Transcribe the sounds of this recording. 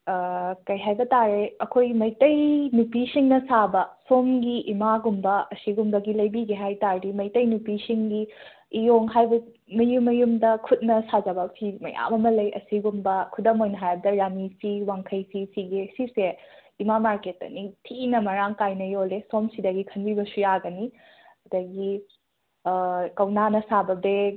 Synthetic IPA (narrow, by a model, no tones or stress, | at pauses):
kɐjɦajbɐtaɾeɐkʰojmɐjtɐjnupisiŋnɐsabɐsomɡiʔimaɡumbɐɐsiɡumbɐɡilɐjbiɡiɦajtaɾdimɐjtɐjnupisiŋɡiː | joŋɦajbɐ | mɐjumːɐjumdɐkʰut̚nɐsad͡ʒɐbɐpʰimɐ̰ja̰mɐmɐlɐjɐ̰siɡumbɐkʰudɐmojnɐɦajbɐdɐɾamisiwaŋkʰɐjsisʰiɡeɐsiseimamaɾketːɐ̰nitʰinɐmɐɾaŋkajnɐjolesomsidɐɡikʰɐnbibɐsujaɡɐni | ɐdɐɡi | kɐwnanɐsabɐbe